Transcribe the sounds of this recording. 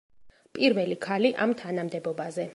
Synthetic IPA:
pʼiɾvɛlikʰaliʔamt̪ʰanamd̪ɛbɔbazɛ

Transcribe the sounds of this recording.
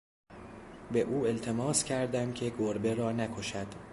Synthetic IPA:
be̞ʔuːe̞lt̪ʰe̞mɒːscʲʰæɾd̪æmcʲʰe̞ɡoɾbe̞ɾɒːnækʰo̞ʃæd̪̥

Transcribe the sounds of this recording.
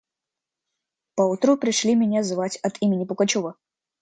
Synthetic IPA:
pɐut̪ɾupɾʲɪʂlʲimʲɪnʲazvat͡sʲɐt̪ʰimʲɪnʲipʊkat͡ɕɔvɐ

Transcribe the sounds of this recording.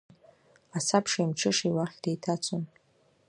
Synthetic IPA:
asapʰʂaimʈ͡ʂʰɨʂiwaχʲdejtʰat͡sʰon

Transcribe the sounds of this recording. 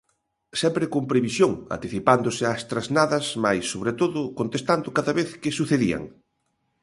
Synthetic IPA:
sɛmpɾɪkompɾeβisjoŋa̰nt̪iθipand̪ʊsɪast̪ɾaznaðɐsmajsːoβɾet̪oðʊkont̪est̪and̪ʊkaðɐβeθkɪsuθeðiɐ̰ŋ

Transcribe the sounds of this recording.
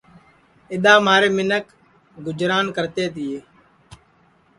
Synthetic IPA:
ɪɗ̪aːmaːɾeːmɪnək | ɡʊd͡ʒɾaːnkəɾt̪eːt̪ɪjeː

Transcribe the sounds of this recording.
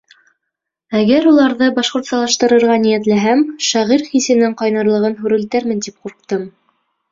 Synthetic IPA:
æɡæɾulˠɑɾðɤbɑʃqŏɾt̪sɑlˠɑʃt̪ɤ̆ɾɤ̆ɾʁɑnijæt̪læɦæmʃɑʁiɾχisɘ̆nɘŋqɑjnɑɾlˠɤ̆ʁɤnɦʉɾɘ̆lt̪æɾmɘ̆nt̪ip̚quɾq̚t̪ɤm

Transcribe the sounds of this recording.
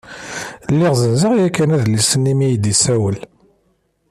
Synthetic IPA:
lːiʁzənzəʁjækːænæðlisənːimijd̪isæwəl

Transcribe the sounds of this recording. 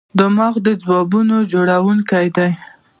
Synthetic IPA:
d̪əmɑɣd̪əd͡zwɑbunod͡ʒoɽawuŋkajd̪aj

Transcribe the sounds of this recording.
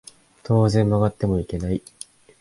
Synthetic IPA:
t̪ʰo̞ːzẽ̞mːaɡat̪ːe̞mo̞ike̞nai

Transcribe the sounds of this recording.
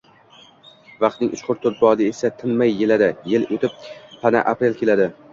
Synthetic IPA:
vɑqt̪nɪŋʔʊʃqʰʊɾt̪ʰʊɾt̪̚bɒd̪ɪesat̪ʰɪnmajːelad̪ajelot̪ɪp̚pʰana̰ʔapɾe̞lkʲʰe̞lad̪ɪ

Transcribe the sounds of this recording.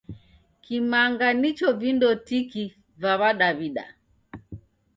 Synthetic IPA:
kimaŋɡanit͡ʃɔvindɔtiki | vaβaɗaβiɗa̰

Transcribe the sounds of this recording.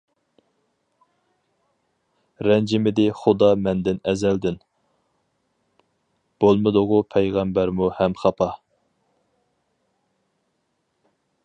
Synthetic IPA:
ɾɛnd͡ʒɪmɪd̪ɪχʊd̪ɑmɛnd̪ɪnɛzɛld̪ɪn | b̥olˠmɨd̪ʊʁʊpʰɛjʁæmbæɾmuhɛmχɑpʰɑ

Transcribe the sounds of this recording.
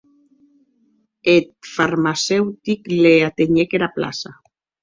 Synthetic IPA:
et̪̚faɾmasewt̪ikleat̪eɲekeɾapla̰sa

